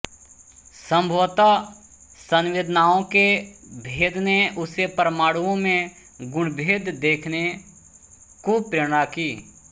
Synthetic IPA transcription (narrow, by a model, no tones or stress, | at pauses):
sə̃mbʱoːt̪a | sənʋeːd̪ʱnaːõkebʱeːd̪ʱneʊsepəɾəmaːɽuõmẽ | ɡʊɽ̃bʱeːd̪d̪eːkʰne | kupɾeːɽ̃akiː